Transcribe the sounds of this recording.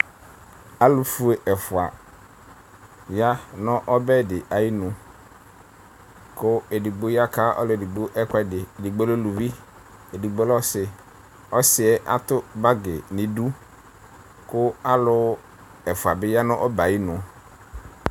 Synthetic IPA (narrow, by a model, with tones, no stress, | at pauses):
a˦lʊ˦fu˦e˨ʔɛ˨fʊ˨a˨ | ja˦nɔ̃˦ʔɔ˦bɛ˦˨dɪ˨ʔa˨ji˦nʊ̃˨ | kʊ˦e˨di˨ɡ͡bo˦ja˦ka˦ɔ̰˦lʊ˨e˨di˨ɡ͡bo˦ʔɛ˦kɛ˦dɪ˨di˨ɡ͡bo˦lo˦lu˨vi˦ | e˨di˨ɡ͡bo˦lɔ˦sɪ˨ | ɔ˦sɪ˨ɛ˦ʔa˦t̪ʊ˦ba˦ɡɪ˨nɪ̃˨du˦ | kʊ˦a˦lʊ˦ | ɛ˨fʊ˨a˨bɪ˦ja˦nɔ̃˦ʔɔ˦ba˨ji˦nʊ̃˨